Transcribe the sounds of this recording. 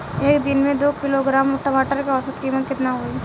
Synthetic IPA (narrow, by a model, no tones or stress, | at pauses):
eːkd̪ɪnmẽd̪oːkɪloɡɾaːmɔʈobaːʈəɾkeɔsət̪kiːmːət̪̚kɪt̪naɦoi